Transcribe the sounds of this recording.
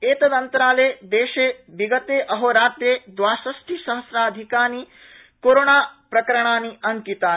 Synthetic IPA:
eːt̪ɐd̪ɐnt̪ɐɾaːleːd̪eːʃeːbiɡɐt̪eːʔɐɦoːɾaːt̪ɾjeːd̪ʋaːsɐsʈʰisɐ̃w̃sɾaːd̪ʱikaːni | koːɾoːɳaːpɾɐkɐɾɐɳ̃aːniɐŋkit̪aː

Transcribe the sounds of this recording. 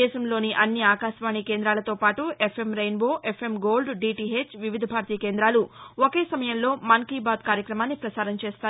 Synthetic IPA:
ɛːʃɐmlo̞ːniʔɐnːiaːkaːʃʋaːɳikeːnd̪ɾaːlɐt̪o̞ːpaːʈuepʰemɾɐjnʋo̞ːʔefʰe̞mɡo̞ːlɖɖiːʈiɦet͡ʃʋiʋid̪ʱɐbʱaːɾt̪iːkeːnd̪ɾaːluoke̞ːsɐmɐjɐmlo̞ːmɐŋkiːbaːd̪kaːɾjɐkɾɐmaːnːipɾɐsaːɾɐmt͡ʃeːst̪aː

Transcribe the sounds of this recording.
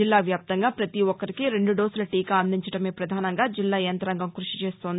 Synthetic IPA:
ilːaːʋjaːp̚t̪ɐŋɡaːpɾɐt̪iʋɔkːɐɾikiɾe̞ɳɖuɖoːsulɐʈiːkaɐnd̪iɲt͡ʃɐʈɐme̞ːpɾɐd̪ʱaːnɐŋɡaːd͡ʒilːaːjɐnt̪ɾɐŋɡɐmkɾuʂi̥t͡ʃeːst̪oːnd̪ii

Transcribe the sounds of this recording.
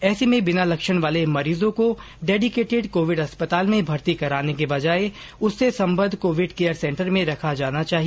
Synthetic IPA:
ɛːsemẽbɪnalɐkʃəɽ̃ʋaːlemɐɾiːzõko | ɖeːɖɪkeːʈɪɖkoːʋɪɖɦɐspət̪aːlmẽbʱɐɾt̪ikɐɾaːnek̬ebɐd͡ʒaːe | ʊsːesɐ̃mbə̃nd̪ʱkoːʋɪɖkeːjəɾsɛ̃ːɳʈəɾmẽɾɐkʰad͡ʒaːnat͡ʃaːɦie

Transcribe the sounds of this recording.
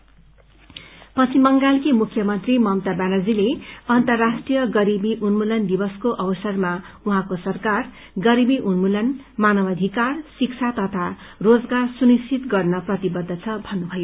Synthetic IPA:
pʌt͡sʰimʌŋɡalkemukʰjʌmʌnt̪rimʌmt̪abanʌd͡zileʌnt̪ʌrːasʈrijʌɡʌɾibiʔunmulʌnd̪ibʌskoʔʌbʌsʌrma | uɦãkosʌrkar | ɡʌɾibiʔunmulʌnmanʌbʌd̪ʱikarsik̚t͡sʰat̪ʌt̪ʰarod͡zɡarsunist͡ʃʰit̪ɡʌrnʌprʌt̪ibʌd̪ʱːʌt͡sʰʌbʱʌnːubʱʌjo

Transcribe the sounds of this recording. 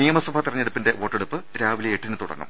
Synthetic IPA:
ijɐmɐsubʱɐt̪irɐɲːeɽupːinde̞ʋo̞ːʈːeɽupːɨɾaːʋilijeʈːinɨt̪uɽɐ̰ŋːɐ̰m

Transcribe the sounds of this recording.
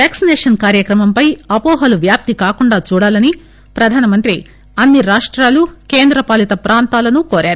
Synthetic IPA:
ʋaːksinɛːʂɐnkaːɾjɐkɾɐmɐmpɐjɐpɔːɦɐluʋjaːp̚t̪ikaːkuɳɖaːt͡ʃuːɽaːlɐni | pɾɐd̪ʱaːnɐmɐnt̪ɾi | ɐnːiɾaːʂʈɾaːlukeːnd̪ɾɐpaːlit̪ɐpɾaːnt̪aːlɐnukoːɾaːɾu

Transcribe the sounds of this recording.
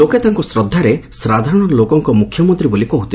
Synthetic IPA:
oket̪aŋkɔsɾɔd̪ʱːaɾesɾad̪ʱaɾɔɽ̃ɔɔlokɔŋkɔmukʰjɔmɔnt̪ɾibolikɔɦut̪i

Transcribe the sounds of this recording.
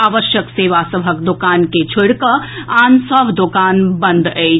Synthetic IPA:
aːʋəʃjəkseʋasəbʱəkd̪okaːnket͡ʃʰuɽkəansəbʱd̪okanbə̃nd̪əɪ

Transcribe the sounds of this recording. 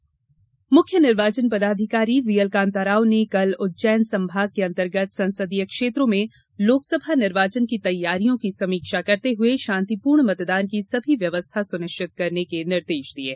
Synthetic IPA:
mʊkʰjənɪɾʋaːt͡ʃənpɐd̪aːd̪ʱɪkaːɾiʋijəlkãːnt̪aɾaːonekɐlʊt̪̚t͡ʃɛːnsɐ̃mbʱaːɡ̚keɐ̃nt̪əɾɡət̪sɐ̃nsəd̪ijəkʃeːt̪ɾõmẽ | loːksəbʱanɪɾʋaːt͡ʃənkit̪ɐjːaːɾijõkisɐmiːkʃakɐɾt̪eɦʊeʃãːnt̪ipuːɾɳmɐt̪d̪aːnkisɐbʱiʋjɐʋəst̪ʰasʊnɪʃt͡ʃɪt̪̚kɐɾnekenɪɾd̪eːʃd̪ieː

